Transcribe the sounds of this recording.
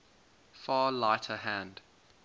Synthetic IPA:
fɑːlaɪtʰəɦæ̃nd̥

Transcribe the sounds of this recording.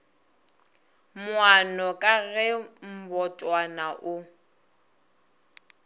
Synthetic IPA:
mwanɔkʼaɣɛm̩bɔtʼwanaʔʊ

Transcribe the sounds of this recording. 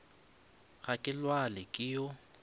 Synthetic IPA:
ɣakʼɪlwalɪkʼɪjɔ

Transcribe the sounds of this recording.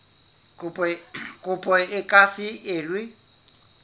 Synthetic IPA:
ʊpʼkʼʊpʼɔɪkʼasɪɪːlwɪ

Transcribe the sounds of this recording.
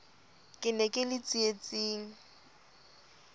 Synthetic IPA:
kʼɪnɛkʼɪlɪt͡sʼiet͡sʼiːŋ̩

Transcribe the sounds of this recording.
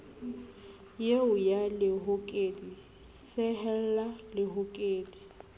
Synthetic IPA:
jeʊjalɪɦʊkʼeːdi | sɪɦɛl̩lalɪɦʊkʼeːdi̥

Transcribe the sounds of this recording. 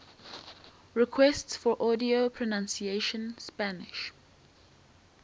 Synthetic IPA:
ɹɪkʰwɛstsfɔɹʔɔdiopʰɹɔnãnsieʃə̃nspanɪʃ

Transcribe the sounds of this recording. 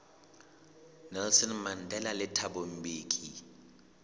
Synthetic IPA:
nɛlsɔnman̩dʱɛlalɪtʰabom̩beːkʼi

